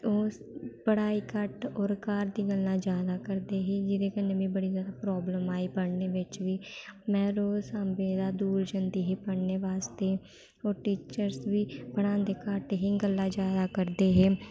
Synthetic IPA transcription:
oː | pəɽaːiːkəʈoːɾkaːɾd̪iːɡəlːãːd͡ʒjaːd̪aːkəɾd̪eːɦeːd͡ʒɪd̪eːkənːeːbĩːbəɽiːzjaːd̪aːpɾɔːbləmaːiːpəɽneːʋɪt͡ʃʋiːmɛ̃ːɾoːsambeːd̪aːd̪uːɾd͡ʒənd̪iːɦiːpəɽneːʋaːst̪eː | oːʈiːt͡ʃəɾsʋiːpəɽãːnd̪eːkəʈɦiːɡəlːãːd͡ʒjaːd̪aːkəɾd̪eːɦeː

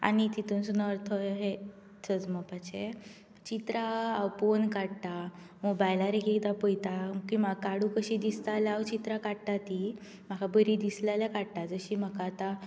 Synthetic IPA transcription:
a̰nit̪it̪unsunəəɾt̪ʰɔɦe | t͡sʰəd͡zməpat͡ɕe | t͡ɕit̪ɾaawponkaɽt̪a | mobajlaɾekiit̪apəjt̪aməkimaɡkaɽũkəɕid̪ist̪alawt͡ɕit̪ɾakaɽt̪at̪i | m̤akabəɾid̪islaljakaɽt̪ad͡zəɕim̤əkaːt̪a

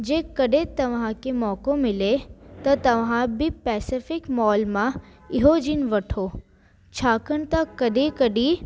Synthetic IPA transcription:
d͡ʒeːkɐɖet̪ɐʋ̤ãkemɔːkomɪlet̪ɐt̪ɐʋɦãbʱipɛːsɪfɪkmɔːlmãɪɦod͡ʒinʋɐʈʰoː | t͡ʃʰaːkəɳt̪akɐɖ̪ekəɖiː

